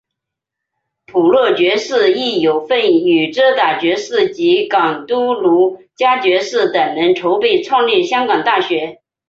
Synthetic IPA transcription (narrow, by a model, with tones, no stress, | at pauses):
pʰu˨˩lwɤ˥˩t͡ɕɥɛ˧˥ʂɻ̩˥˧i˥˩jo˨˩ʊfə˥˩ny˨˩ʈ͡ʂɤ˥t̪a˨˩t͡ɕɥɛ˧˥ʂɻɹ̩˥˩t͡ɕi˧˥kɑ˨˩ŋt̪u˥lu˧˥ | t͡ɕja˥t͡ɕɥɛ˧˥ʂɻ̩˥˩t̪ə˨˩nnə˧˥nʈ͡ʂʰo˧˥ʊpe˥˩ɪt͡sʰwɑ˥˧ŋli˥˩ɕjɑ˥ŋkɑ˨˩ŋt̪a˥˩ɕɥɛ˧˥